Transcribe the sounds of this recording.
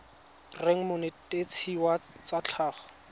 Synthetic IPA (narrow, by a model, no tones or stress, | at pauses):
reŋ̩mʊnɪtʼet͡sʰiwat͡sat͡ɬʰaːχɔ̥